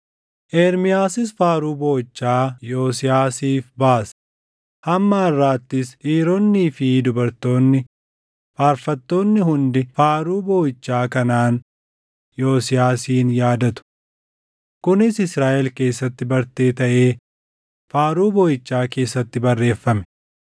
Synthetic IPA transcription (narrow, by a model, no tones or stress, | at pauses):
ʔɛːɾmɪjaːsɪs̬faːɾuːbo̞ːɪt͡ʃːaːjo̞ːsɪjaːsiːfbaːs | hɐmːaɐrːaːt̪ːɪsiːɾonːiːfɪd̪ʊbɐɾt̪o̞ːnːɪ | faːɾfɐt̪ːo̞ːnːɪɦʊnd̪ɪfaːɾuːbo̞ːɪt͡ʃːaːkɐnaːn | jo̞ːsɪjaːsiːnjaːd̪ɐt̪ʊ̥ | kʊnɪsɪsɾaːʔɛlke̞ːsːɐt̪ːɪbɐɾt̪eːt̪ɐʔe̞ː | faːɾuːboːjɪt͡ʃːaːke̞ːsːɐt̪ːɪbɐrːe̞ːfːɐmɛ̥